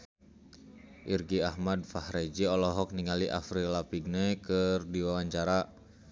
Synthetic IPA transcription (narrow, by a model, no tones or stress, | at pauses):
ʔirɡiahmadfahɾɛd͡ʒiɔlɔɦɔk̚niŋaliʔa̰fɾilapiɡ̚nɛkərdiwawaɲt͡ʃaɾa